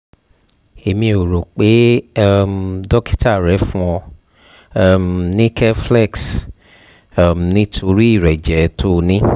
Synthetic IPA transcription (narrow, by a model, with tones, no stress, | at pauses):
e˨mĩ˧o˨ɾo˨k͡pe˨˦m˨dɔ˦ki̥˦ta˦˨ɾɛ˨˦fũ˦ɔ˧˦˨ | m˨nĩ˦kʰɛ˦flɛ˦˨ks | m̩˨nĩ˦tʰo˧ɾi˦i˦˨ɾɛ˨d͡ʒɛ˨˦tʰo˦˧nĩ˦